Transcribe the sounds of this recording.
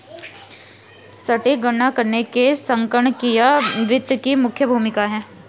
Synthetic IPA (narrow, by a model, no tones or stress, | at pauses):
sɐʈeɡɐnakɐɾnekesɐ̃ŋkəɳkijaʋɪt̪kimʊkʰjəbʱuːmɪkaɦɛ̃ː